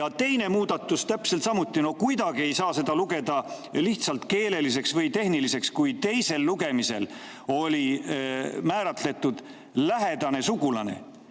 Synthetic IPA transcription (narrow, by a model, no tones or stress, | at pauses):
jɑt̪e̞jne̞muːd̪̥ɑt̪ːˑust̪æpselt̪sɑmut̪ˑːino̞kujd̪ɑɡ̥ie̞jsɑːse̞d̪̥ɑluɡe̞d̪ɑ | liht̪sɑlt̪ke̞ːle̞lis̬e̞ksvɤjt̪e̞ɦnilise̞kskujt̪e̞jse̞lːuɡ̥e̞mise̞l | o̞lʲi | mæːɾɑt̪le̞t̪ːˑud̪̥ | læɦe̞d̪ɑne̞suɡulɑne̞̰